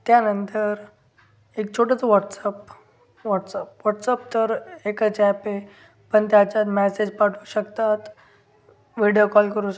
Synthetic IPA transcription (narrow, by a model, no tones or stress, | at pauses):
t̪janənt̪əɾ | ek̚t͡ɕʰoʈət͡səʋɔʈsəp | ʋɔʈsəp̚ʋɔʈsəp̚t̪əɾekət͡ɕɛpe | pəɳt̪jat͡ɕat̪mɛsed͡ʑpaʈʰuɕəkt̪at̪ | ʋiɽijokɔlkəɾuɕ